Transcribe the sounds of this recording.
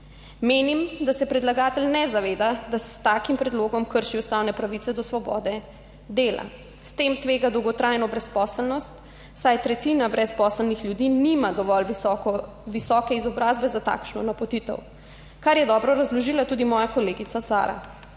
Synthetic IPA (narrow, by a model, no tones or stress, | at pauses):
meːnimd̪asɛpɾɛd̪laɡaːt̪ɛlnɛzaʋeːd̪ad̪asst̪aːkimpɾɛd̪loːɡɔmkəɾʃiust̪aːwnɛpɾaʋit̪sɛd̪ɔsʋɔbɔ̰ːd̪ɛ | d̪eːla̰ | st̪eːmt̪ʋeːɡad̪ɔwɡɔt̪ɾaːjnɔbɾɛspɔːsəlnɔst̪ | sajt̪ɾɛt̪inabɾɛspɔːsəlnixljud̪iːnimad̪ɔʋɔl | ʋisɔkɛizɔbɾaːzbɛzat̪a̰kʃnɔ̰napɔt̪it̪ə̰w | kaɾjɛd̪ɔːbɾɔɾazlɔʒiːlat̪uːd̪imɔːjakɔleːɡisasa̰ːɾa̰